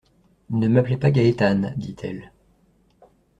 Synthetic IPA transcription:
nəmaplɛpaɡʲaet̪and̪it̪ʰɛ̰l

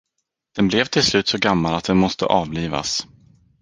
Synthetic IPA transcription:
d̪̥ɛnblɛvt̪ʰɪlslʉ̟ːt̪sɔɡamːalat̪̚d̪ɛnmɔst̪ə̰ʔɑːvliːva̰s

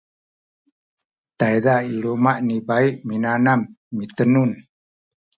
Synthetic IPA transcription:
t̪ajdailomaʔnibaiʔminanamː | it̪ənun

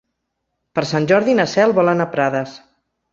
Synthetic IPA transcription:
pəɾsanʲʒɔɾðinəsɛlˠβɔlənapɾaðəs

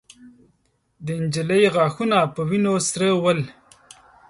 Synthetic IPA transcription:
d̪əɪnd͡ʒələjɣɑːxunapəwinosɾewəl

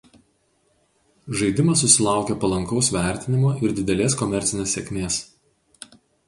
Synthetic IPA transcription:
ʒɐɪd̪ʲɪmɐsːʊsʲɪlˠɑˑʊkʲɛpɐlˠɐŋkɒʊsʋʲæˑɾʲˑt̪ʲɪnʲɪmoːʔɪɾd̪ʲɪd̪ʲɛlʲeːskɔmʲɛɾʲt̪sʲɪnʲeːsʲɛkʲmʲeːs

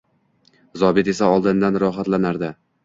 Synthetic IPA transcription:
zɒbɪt̪e̞saɒlˠd̪ɪnd̪anɾɒɦat̪lanaɾd̪ɪ

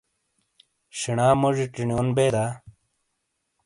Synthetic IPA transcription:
ɕiɳaːmoʐiʈiɳijoːnbeːd̪aː

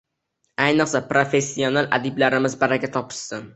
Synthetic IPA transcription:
ajnɨqsapɾofe̞sːionalʔa̰d̪ɪblaɾɪmɪzbaɾaɡʲat̪ʰɒpʰɪ̥ʃt̪ɪm

